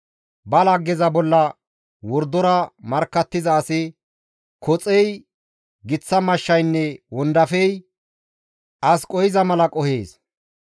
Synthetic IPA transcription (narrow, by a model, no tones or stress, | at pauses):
bɐlɐɡɛzɐbɔlːɐ | wɔɾd̪ɔɾɐmɐɾkːɐt̪ːɪzɐːsɪ | kʰɔt͡sʼɛj | ɡɪt͡sːɐmɐʃːɐjnːɛwɔnd̪ɐfɛj | ʔɐskʼɔjɪzɐmɐlɐkʼɔhḛːs